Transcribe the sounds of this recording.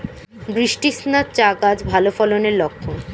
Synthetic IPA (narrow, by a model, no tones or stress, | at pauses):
bɾiʃʈisnat͡ɕaɡad͡ʑbʱalofɔloneɾlokʰːon